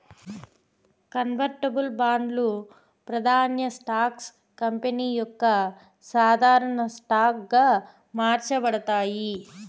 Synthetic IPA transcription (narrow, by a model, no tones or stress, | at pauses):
kɐnʋɐɾʈɐbulbaːɳɖ̪lu | pɾɐd̪ʱaːnjɐsʈaːks | kɐmpeniːjɔkːɐ | saːd̪ʱaːɾɐɳɐsʈaːk̚ɡaː | maːɾt͡ʃɐbɐɽɐt̪aːji